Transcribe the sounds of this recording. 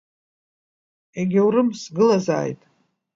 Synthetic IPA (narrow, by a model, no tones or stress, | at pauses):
eɡʲɪwɾɨmsɡɨlaza̰ːjtʼ